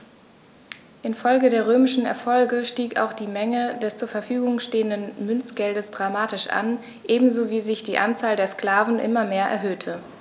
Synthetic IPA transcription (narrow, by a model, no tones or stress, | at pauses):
ʔɪnfɔlɡədeːɐʁøːmɪʃn̩ɛ̰ɐfɔlɡəʃtiːka̰ʊxd̥iːmɛŋədɛst͡suːɐfɛɐfyːɡʊŋʃteːəndənmʏnt͡sɡ̥ɛldəsd̥ʁamaːtɪʃʔa̰n | ʔeːbm̩zoːviːzɪçd̥iːʔant͡saːldeːɐskl̥aːvn̩ʔɪ̰mɐmeːɐʔɛ̰ɐɦøːtʰə